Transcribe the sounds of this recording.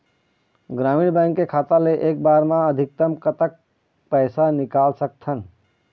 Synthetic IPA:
ɡɾaːmiːɽbãɪŋkːekʰaːt̪aleʔeːk̚baːɾmãəd̪ʱɪk̚t̪əmkət̪ək̚ | pəɪsanɪkaːlsək̚t̪ʰən

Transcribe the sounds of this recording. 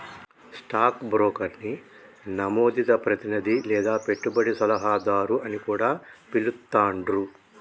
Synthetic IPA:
sʈaːkbɾoːkɐɾni | nɐmoːd̪it̪ɐpɾɐt̪inid̪ilɛːd̪aːpe̞ʈːubɐɽisɐlɐɦaːd̪aːɾuɐnikuːɽaːpilut̪ːaːɳɖɾu

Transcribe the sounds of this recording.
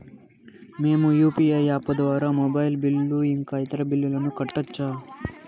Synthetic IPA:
me̞ːmujuːpiɐjaːpːɐd̪ʋaːɾaːmɔbɐjlbilːuiŋkaːjit̪ɐɾɐbilːulɐnukɐʈːɐt͡ʃːaː

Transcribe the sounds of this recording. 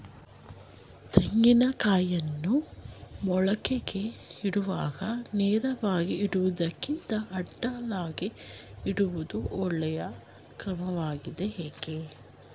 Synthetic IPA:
t̪eŋɡinɐkaːjɐnːumɔɭɐkeɡe̞iɽuʋaːɡɐnɛːɾɐʋaːɡiiɽuʋud̪ɐkːint̪ɐʔɐɖːalaːɡiiɽuʋud̪uʔɔɭːɛjɐ | kɾɐmɐʋaːɡid̪eɦeːɡe

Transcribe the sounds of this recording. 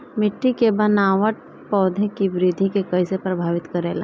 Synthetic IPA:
mɪʈːikebɐnaːʋəʈ̚ | pɔːd̪ʱekiʋɾɪd̪ʱikekɐisepɾɐbʱaːʋɪt̪kɐɾeːla

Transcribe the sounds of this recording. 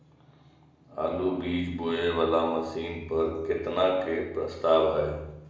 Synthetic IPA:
a̰ːluːbiːd͡ʒbʊeʋəlaːmɐsiːnpɐɾkɪt̪nãːkʰeːpɾɐst̪aːʋɦajeː

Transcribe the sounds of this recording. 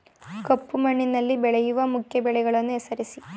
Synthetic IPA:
kɐpːumɐɳːinːɐlːibeɭɐjuʋɐmukʰjɐbeɭɐɣɐɭonːɨesɐɾɐsi

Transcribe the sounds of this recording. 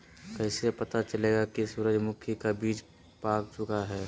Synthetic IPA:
kɛɪsepɐt̪at͡ʃəleːɡakisuːɾəd͡ʒmʊkʰjikabiːd͡ʒ | paːkt͡ʃʊkaɦɛː

